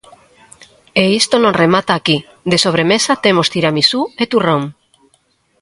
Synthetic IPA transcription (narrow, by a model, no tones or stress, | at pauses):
eist̪onõŋremat̪aːki | d̪esoβ̞ɾemesat̪emost̪iɾamisuet̪uroŋ